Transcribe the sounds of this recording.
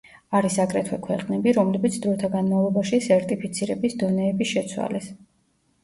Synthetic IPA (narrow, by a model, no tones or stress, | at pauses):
aɾisakʼɾɛt̪ʰwɛkʰwɛqʼnɛbiɾɔmlɛbit̪sʰd̪ɾɔt̪ʰaɡanmavlˠɔbaʃisɛɾt̪ʼipʰit̪sʰiɾɛbisd̪ɔnɛːbiʃɛt̪sʰwa̰lɛs